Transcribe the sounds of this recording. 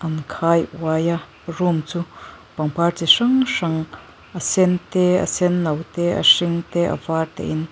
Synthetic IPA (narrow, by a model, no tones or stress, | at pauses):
ʔɐnkʰaːjw̰aːja | rumt͡su | pɐŋpart͡siʂɐŋʂɐŋ | ʔɐsɛnt̪ɛə̰sɛnːɐwt̪ɛʔɐ̰ʂɪŋt̪ɛʔɐ̰vaːrt̪ɛ̰ʔɪn